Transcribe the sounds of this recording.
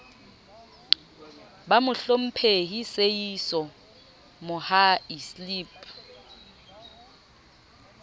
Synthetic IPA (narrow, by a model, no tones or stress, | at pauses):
bamʊɬom̩pʰeɦisejisɔ | mʊhaisliːpʰʼ